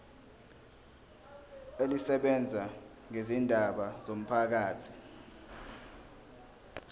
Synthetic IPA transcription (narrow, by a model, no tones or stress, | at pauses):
elisɛɓɛnd͡zʱa | ŋezindʱaɓaz̥om̩pʰak̬aːtʰi̥